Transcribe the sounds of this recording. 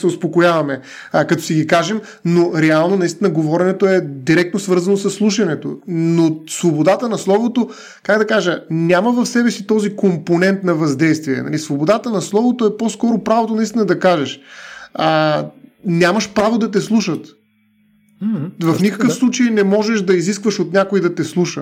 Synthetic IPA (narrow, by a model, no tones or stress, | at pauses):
sɛʊspokojavɐmɛ | kɐt̪ɔ̥siɡikaʒɛm | noɾɛalˠnonɐist̪inəɡovɔɾɛnɛt̪oɛd̪iɾɛk̚t̪nosvɤɾzɐnosɐsːlˠuʃɐnɛt̪o̰nosvobod̪at̪ənɐslˠɔvot̪o | kaɡd̪ɐkaʒənʲaməvɐfsɛbɛsit̪ɔzikomponɛnt̪nɐvɐzd̪ɛjst̪viɛ̰nɐ̰lisvobod̪at̪ənɐslˠɔvot̪oɛpɔskɔɾopɾavot̪onɐist̪inəd̪ɐkaʒɛʃə | nʲamɐʃpɾavod̪ɐt̪̬ɛslˠuʃət̪ | vɐfnikəkəfslˠut͡ʃəjnɛmɔʒɛʃd̪ɐiziskvəʃot̪nʲjakoid̪ɐt̪ɛslˠuʃə